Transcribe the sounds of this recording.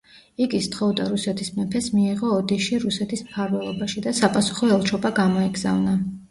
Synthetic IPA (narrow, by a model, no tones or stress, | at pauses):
iɡist̪χɔvd̪aɾusɛt̪ʰismɛpʰɛsmiːʁɔːd̪iʃiɾusɛt̪ʰismpʰaɾvɛlˠɔbaʃid̪asapʼasu̥χɔɛlˠt͡ʃʰɔbaɡamɔɛɡz̥a̰vna